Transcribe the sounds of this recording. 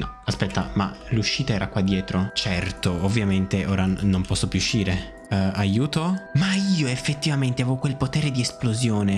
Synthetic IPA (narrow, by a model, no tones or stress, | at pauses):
nɔ̰ | aspɛt̪ːa̰ma̰luʃːiːt̪aɛːɾakwad̪ːjɛːt̪ɾot͡ʃɛrt̪oovːjament̪eʔoːɾanompɔsːopjuuʃːiːɾe | ajuːt̪omaiːoefːet̪ːivament̪eavevokwelpot̪ɛːɾed̪iesplozjoːne